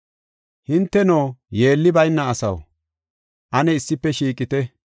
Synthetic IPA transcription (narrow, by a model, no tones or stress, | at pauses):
hɪnt̪ːɛnoːje̞ːlːɪbɐjnːɐːsɐ̰w | ʔɐnɛɪsːɪpːɛʃiːkʼɪt̪ɛ